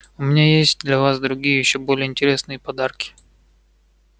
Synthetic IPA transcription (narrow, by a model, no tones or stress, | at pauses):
ʊmʲɪnʲajesʲt̚ʲd̪lʲɐvasd̪ɾʊɡʲijəjɪɕːobo̞lʲɪjəɪnʲtʲɪɾʲe̞snɨjəpɐd̪arkʲɪ̥